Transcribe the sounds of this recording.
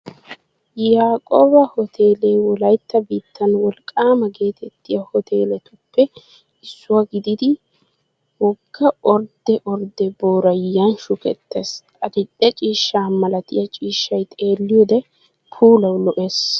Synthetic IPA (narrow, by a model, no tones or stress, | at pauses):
jaːkʼobɐhɔt̪ʰe̞ːlewɔlɐjt̪ːɐbiːt̪ʰːɐnwɔlkʼːaːmɐɡe̞ːt̪ʰɛt̪ːɪjɐhɔt̪ʰe̞ːlɛt̪ʊpːɛ | ɪsːʊwaɡɪd̪ɪd̪ɪ | wɔɡːɐɔɾd̪ɛʔɔɾd̪ɛboːɾɐjːɐnʃʊkɛ̰t̪ːesʼ | ɐd̪ɪt̪ʼːɛt͡ʃʼiːʃːaːmɐlɐt̪ɪjɐt͡ʃʼiːʃːɐjt̪ʼe̞ːlːɪjoːd̪ɛ | pʰuːlɐwlɔʔes